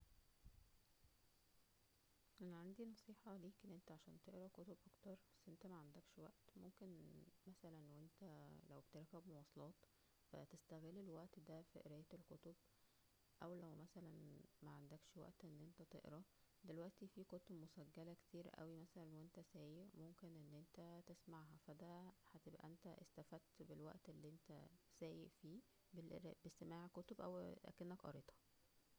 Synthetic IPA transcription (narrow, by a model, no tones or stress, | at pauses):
ʔænæʕand̪inɑsˤiːħɑliːkenʔent̪æʕaʃæːnt̪eʔɾɑkot̪obʔɑkt̪ɑɾˤbæsːʔent̪æmæʕand̪ækʃwæʔt̪momkenmæsælænwent̪ælæwbt̪ɑɾˤækæbmowɑːsˤɑlɑːt̪ | fæ̰t̪est̪æɣelːelwæʔt̪d̪æfiʔeɾæjt̪elkot̪ob̚ | ʔæwlæwmæsælænmæʕand̪ækʃwæ̰ʔt̪ʔenːʔent̪æt̪ḛʔɾɑ | d̪elwæʔt̪ifiːkot̪obmosæɡːælækt̪iːɾʔæ̰wimæsælænwent̪æsæːjeʔmomkenʔenːʔent̪æt̪esmaʕɦæfæd̪æhæt̪ebʔæ̰ʔent̪æʔest̪æfæd̪̚t̪belwæ̰ʔt̪ʔelːiʔent̪æ̰sæːjeʔfiː | beɾbest̪emaːʕkot̪obʔæ̰wlæ̰kenːækʔɑ̰ɾet̪hɑ̥